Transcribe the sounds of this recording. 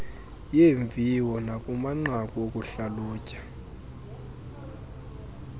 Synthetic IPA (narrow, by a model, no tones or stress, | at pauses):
jeɱbvʱiwɔnakʼumaŋ͡ǀakʼokʼuɬalɔːcʼḁ